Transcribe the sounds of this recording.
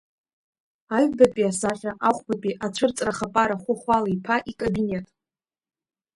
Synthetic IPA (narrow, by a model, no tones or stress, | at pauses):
aɥbapʼiasaχʲᶣaʔaχʷbapʼiʔat͡ʃʷʰɨrt͡sʼraχapʼaɾaχʷʊχʷalaipʰaʔikʼobine̞tʼ